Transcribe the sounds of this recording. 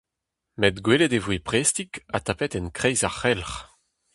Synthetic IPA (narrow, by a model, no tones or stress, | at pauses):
mɛd̪ɡweːled̪evwepʁest̪ika̰t̪apɛt̪ɛnkʁɛjzaχɛlχ